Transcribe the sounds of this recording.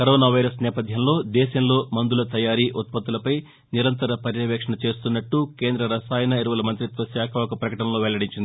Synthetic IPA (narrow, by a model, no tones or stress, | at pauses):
kɐɾoːnaːʋɐjɾɐsnɛːpɐd̪ʱjɐmlo̞ːd̪ɛːʃɐmlo̞ːmɐnd̪ulɐt̪ɐjaːɾiːʔut̪̚pɐt̪ːulɐpɐj | niɾɐnt̪ɐɾɐpɐɾjɐʋɛːkʂɐɳɐt͡ʃe̞ːst̪unːɐʈːukeːnd̪ɾɐɾɐsaːjɐnɐiɾuʋɐlɐmɐnt̪ɾit̪ʋɐsjaːkʰɐʋɐkɐpɾɐkɐʈɐnɐlo̞ːʋɛɭːɐɽiɲt͡ʃind̪i